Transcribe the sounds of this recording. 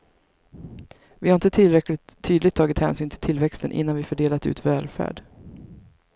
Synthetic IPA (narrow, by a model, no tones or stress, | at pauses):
vɪhaɾɪnt̪ət̪ʰɪlɾɛklɪt̪ʰːyːd̪lɪɡ̚t̪ʰːɑːɡɪt̪hɛ̰ːnsyːnt̪ʰɪlt̪ʰɪlvɛkst̪ənʔɪ̰nːanvɪfœɖeːlat̪ʉ̟ːt̪vɛːlfæ̰ːɖ